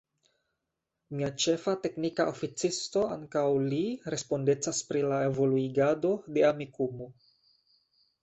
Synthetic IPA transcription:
miat͡ʃe̞fate̞knikaʔofit͡sisto̞a̰ŋkawliɾe̞spo̞nde̞t͡saspɾilae̞vo̞luiɡado̞de̞amikumo

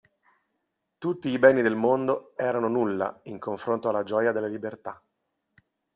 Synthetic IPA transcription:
t̪ut̪ːiːbɛnːid̪elmond̪oɛːɾanonulːa̰iŋkoɱfɾont̪oalːad͡ʒɔːjad̪elːelibert̪a

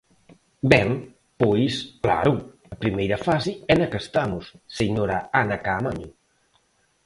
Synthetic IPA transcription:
bɛŋ | pojskla̰ɾu | ɐpɾimejɾɐfasɪɛnɐkest̪amʊsːeɲoɾaanakaːmaɲʊ

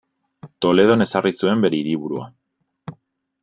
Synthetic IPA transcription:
t̪o̞le̞ð̞o̞ne̞sarisue̞mbe̞ɾe̞iɾiβuɾua̰

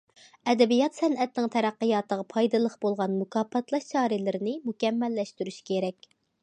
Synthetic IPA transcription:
ɛd̪ɛbijɑt̪sɛnʔɛt̪nɪŋt̪ʰɛɾæqːəjɑːt̪əʁɑpʰɑjd̪ɨlˠəχbolˠʁɑnmukʰɑːpʰɛt̪lˠɑʃt͡ʃʰɑːɾɪlɪɾɪnɪmukʲɛmːɛlːɛʃt̪yɾyʃkʲʰeɾɛkʲ

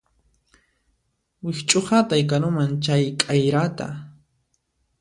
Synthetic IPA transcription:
wɪxt͡ʃʼoχat̪ajkanʊmant͡ʃajkʼajɾat̪a̰

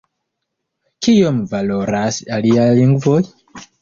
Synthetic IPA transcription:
kijomuvaloɾasalialiŋɡvoj

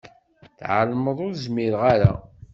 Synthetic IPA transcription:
θʕəlməðˤʊɾzmiɾʁaɾa̰

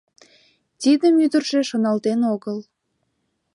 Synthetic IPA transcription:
t̪id̪əmyd̪ərʃeʃonɑlt̪enoɣəl

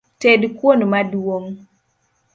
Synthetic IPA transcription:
tedkwonmadwoŋ

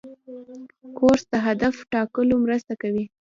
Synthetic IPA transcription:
koɾsd̪əɦad̪afʈɑkəlomɾəst̪akawi

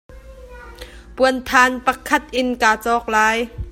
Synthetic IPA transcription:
puənt̪ʰaːnpɐkʰːɐt̪̚ʔɪnkaːt͡sɔːk̚laːj

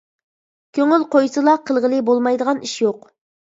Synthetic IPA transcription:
kʲʰøŋylqʰojsɨlˠɑqʰəlˠʁəlˠɨbolˠmɑjd̪əʁɑniʃjoq

